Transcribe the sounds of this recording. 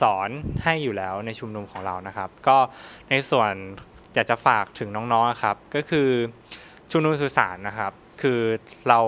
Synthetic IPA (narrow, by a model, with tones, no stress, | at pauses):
sɔː˩˦nha˥˩jːuː˨˩lɛː˦˥wna˧jt͡ɕʰu˧mnu˧mkʰɔː˩˦ŋɾa˧wna˦˥kʰa˦˥p̚kɔː˥˩na˧jsu˨˩ən | jaː˨˩k̚t͡ɕa˨˩faː˨˩k̚t̪ʰɯ˩˦ŋnɔː˦˥ŋnɔː˦˥ŋʔa˨˩kʰa˦˥p̚kɔː˥˩kʰɯː˧ | t͡ɕʰu˧mnu˧ms̬ɯː˨˩sa̰ː˩˦nːa˦˥kʰa˦˥p̚ | kʰɯː˧ɾa˧w